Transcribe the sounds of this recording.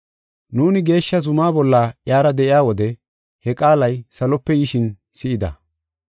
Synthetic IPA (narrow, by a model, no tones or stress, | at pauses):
nuːnɪɡe̞ːʃːɐzʊmaːbɔlːaːjaːɾɐd̪ɛʔɪjaːwɔd̪ɛ | hɛkʼaːlɐjsɐlɔpːɛjɪʃɪn | sɪʔɪd̪ɐ̰